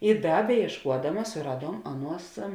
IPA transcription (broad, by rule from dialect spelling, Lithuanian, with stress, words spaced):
ɪ ˈdɐ bʲɛjiɛʃˈkuɔdɐmɐs sʊˈrɑːˌduɔm ˈɑːˌnuɔs